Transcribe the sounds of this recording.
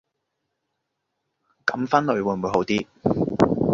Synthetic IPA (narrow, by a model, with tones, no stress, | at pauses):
kɐ˨˧˥mfɐ˥nlɵ˨˧ɥwu˨˧jm̩˨uː˨˧jɦo˨˥wt̪iː˥